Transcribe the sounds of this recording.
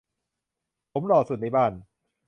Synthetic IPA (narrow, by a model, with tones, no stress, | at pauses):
pʰo˨˩˦mlɔː˨˩su˨˩na˥˩jbaː˧˩n